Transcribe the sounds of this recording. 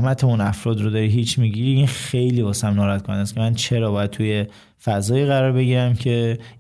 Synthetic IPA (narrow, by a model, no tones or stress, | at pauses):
mæt̪ʰemunæfɾɒːd̪ɾod̪ɒɾiɦiːt͡ʃʰmiɟiɾiinxejliːbɒːsæmnɒːɾæt̪̚kʰonænæskʰʲe̞mænt͡ʃʰe̞ɾɒːbɒːjæd̪̚t̪ʰuje̞ | fæzɒːiːɣæɾɒːɾbe̞ɡiːɾæmcʰe̞